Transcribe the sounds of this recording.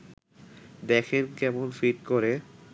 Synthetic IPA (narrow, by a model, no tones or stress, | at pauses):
d̪ɛkʰenkɛmonfiʈkoɾe